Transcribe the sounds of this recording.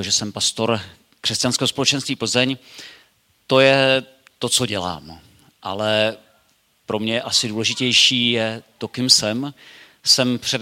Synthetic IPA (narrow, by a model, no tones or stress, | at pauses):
ʒɛsɛmpast̪o̞ɾ | kr̥ɛscanskɛːɦspo̞lɛt͡ʃɛnst̪viːpl̩zɛɲ | t̪o̞jɛ | t̪o̞t͡so̞ɟɛla̰ːm | ʔa̰lɛ | pɾo̞mɲɛʔasɪduːlɛʒɪcɛjʃiːjɛt̪o̞kɪmsɛm | sɛmpr̝̥ɛd